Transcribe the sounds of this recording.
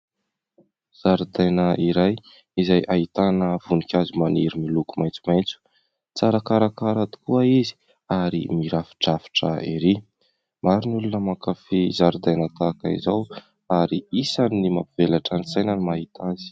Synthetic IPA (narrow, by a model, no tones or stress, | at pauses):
z̥aɾud̪ajnəiɾaj | izajʔait̪anəv̥unikʲazumaniɾimilukumajnt͡su̥majnt͡su̥ | t͡saɾakaɾakaɾad̪u̥kuəizi̥ | aɾḭmiɾafi̥ʈ͡ʂafi̥ʈ͡ʂə̰iɾi | maɾinulunəmakafizaɾud̪ajnət̪akaḭzaw | aɾiisanːimapivelaʈ͡ʂansajnanimaɦit̪ʰazi̥